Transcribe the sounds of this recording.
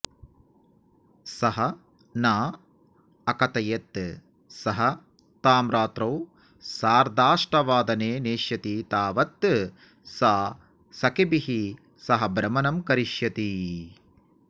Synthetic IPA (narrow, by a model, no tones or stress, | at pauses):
sɐɦɐ | naː | ɐkɐt̪ɐjɐt̪ː | sɐɦɐ | t̪aːmɾaːt̪ɾɐw | saːɾd̪aːʂʈɐʋaːd̪ɐneːneːʃjɐt̪it̪aːʋɐt̪ː | saː | sɐkibiɦi | sɐɦɐbɾɐmɐnɐmkɐɾiʃjɐt̪i